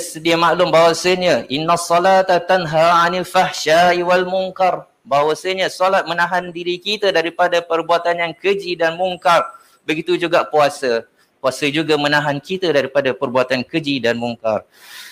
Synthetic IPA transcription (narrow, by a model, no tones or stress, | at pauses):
sədiamaʔlʊmbawasəɲəʔinːasˤːɔlat̪at̪anɦaʕanilfahʃaiwalmuŋkar | bawasəɲəsɔlat̪̚mənãɦandiɾikit̪ədaɾipadapərbuat̪anjaŋkəd͡ʒidanmuŋkar | bəɡit̪ud͡ʒuɡaʔpuasə | puasəd͡ʒuɡamənãɦankit̪ədaɾipadapərbuat̪ankəd͡ʒidanmuŋka̰r